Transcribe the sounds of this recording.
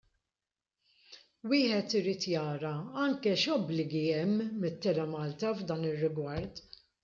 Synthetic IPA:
wɪːħɛt̪ɪɾiːt̪jɐːɾɐɐŋkɛʃɔblɪɡiɛmːɪt̪ːɛɾɐmɐːlt̪ɐvd̪ɐːnɪrːɪɡwɐɾt̪

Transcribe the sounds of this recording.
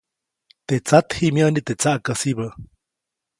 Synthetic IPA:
t̪et͡sat̪himjənit̪et͡saʔkasiβə

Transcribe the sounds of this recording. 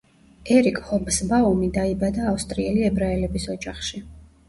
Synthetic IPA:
ɛɾikʼhɔmsbaumid̪aibad̪aːfst̪ʼɾiɛliɛbɾaɛlɛbisɔd͡ʒaχʃi

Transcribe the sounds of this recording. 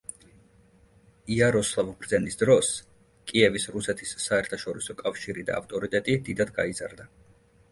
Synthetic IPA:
iaɾɔslˠavbɾd̪zɛnisd̪ɾɔs | kʼiɛvisɾusɛt̪ʰisːaɛɾt̪ʰaʃɔɾisɔkʼafʃiɾid̪a̰a̰ft̪ʼɔɾit̪ʼɛt̪ʼid̪id̪ad̪ɡaiza̰ɾd̪a

